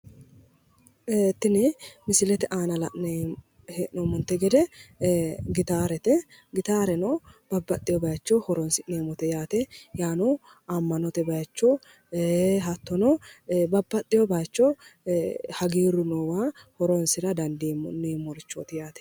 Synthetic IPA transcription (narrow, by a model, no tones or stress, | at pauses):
t̪ːɪnɪmɪsɪlɛt̪ɛʔaːnɐlɐʔe | heʔnɔmɔnt̪ːɛɡɛd̪ɛ | ɡɪt̪aːɾɛt̪ɛ | ɡɪt̪aːɾɛnɔb̥ɐbːɐt̪ʼːɪjɔbɐjt͡ʃːɔhɔɾɔnsɪneːmɔt̪ɛjaːt̪ɛjaːnɔ | ɐmːɐnɔt̪ɛbɐjt͡ʃːɔ | ɦɐt̪ːɔnɔbɐbːɐt̪ʼːɪjɔbɐjt͡ʃːɔ | hɐɡiːɾʊnɔwaːhɔɾɔnsɪɾɐd̪ɐnd̪imneːmɔɾɪt͡ʃːo̰t̪ɪjaːt̪ɛ̥